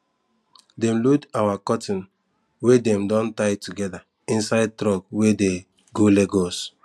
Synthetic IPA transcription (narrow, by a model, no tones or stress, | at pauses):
dɛmludawakɔtĩn | wedɛ̃mdɔ̃ntaɪtuɡɛda | ĩnsaɪd̚tɾɔɡwede | ɡoleɡɔs